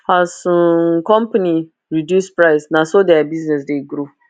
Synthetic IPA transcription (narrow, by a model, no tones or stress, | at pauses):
hasũkɔ̃mpani | ɹidjuspɹaɪsnasodɛabiznɛsdeɡɾo